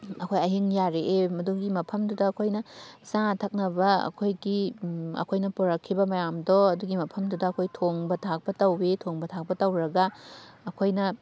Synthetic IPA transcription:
ɐkʰojɐɦiŋjaɾeʔemɐduɡimɐpʰɐmdudɐːkʰojnɐsaŋtʰɐk̚nɐbɐɐ̰kʰojɡiɐ̰kʰojnɐpoɾɐkʰːibɐmɐjamdɔɐduɡimɐpʰɐmdudɐɐkʰojtʰoŋbɐtʰak̚pɐtɐwetʰoŋbɐtʰak̚pɐtɐwɾɐɡɐːkʰojnɐ

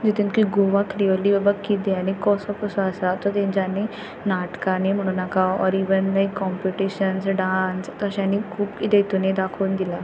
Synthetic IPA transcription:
d͡ʑit̪inkiɡoʋakɾiʋəlibəbəkːit̪eañikɔsɔkɔsuasat̪ɔt̪ẽnd͡ʑane | naʈkanem̤əɽ̃uːnakaɔɾiʋənlajkːɔmpiʈiɕənsɖanst̪ɔɕãnikʰuːpkid̪et̪uned̪akʰuːnd̪ila

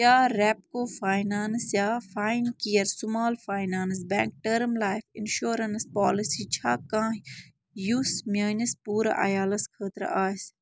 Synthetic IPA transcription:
aːɾɛːp̚koːfaːjnaːnsjaːfaːinkijɐɾsʊmaːlfaːjnaːns̬bɛ̃ːŋk̚ʈəɾmlaːjfɪnʃoːɾɐnspaːlisiːt͡ʃʰaːkãːɦ | juːsmaːnɐspuːɾa̰ʔɐ̰jaːlɐskʰəːt̪ɾ̰ʔaːs

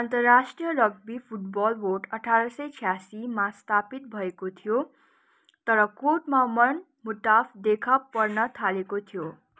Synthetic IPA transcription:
ʌnt̪ʌrːasʈrijʌlʌɡ̚bipʰuʈbɔlboʈʌʈʰaɾʌsʌjt͡sʰjasimast̪ʰapit̪̚bʱʌekot̪ʰijo | t̪ʌɾʌkoʈmamʌn | muʈ̪apʰd̪ekʰapːʌrnʌt̪ʰalekot̪ʰijo

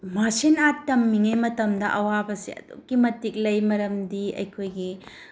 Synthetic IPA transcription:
masinatːɐmːiŋemɐtɐmdɐʔɐwabɐsḭɐ̰dṵkːimɐtːik̚lɐjmɐɾɐmdiɐ̰jkʰojɡi

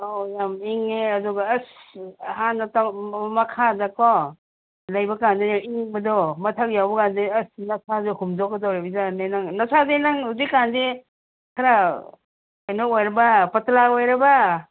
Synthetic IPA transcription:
ɔjamiŋeɐdɔɡaːshanːɐtamɐkʰazakɔ | lajbakandejamiŋbɐdɔmɐtʰak̚jawbɐkandeɐsnɐsazekumzɔkːɔdawɾibizanajnaŋnasazenaŋudikːande | kʰaɾa | kajnɔojɾɐbapɐtlaojɾɐba

